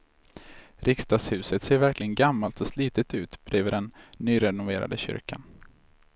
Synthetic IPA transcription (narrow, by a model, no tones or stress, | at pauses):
ɾʔɪkst̪ɑːɡshʉ̟ːsət̪seːɾvæɾklɪɡənɡamːalt̪ɔsliːt̪ət̪ʉ̟ːt̪b̥ɾøːvəɖɛnːyːɾɛnʊvḛːɾa̰d̪əɕʏ̰ɾka̰n